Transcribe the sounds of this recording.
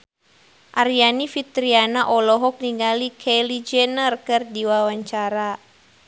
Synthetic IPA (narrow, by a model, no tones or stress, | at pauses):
ʔaɾianifit̪ɾianaʔɔlɔɦɔk̚niŋɡalikʰɛlid͡ʒɛnərkɨrdiwawaɲt͡ʃaɾa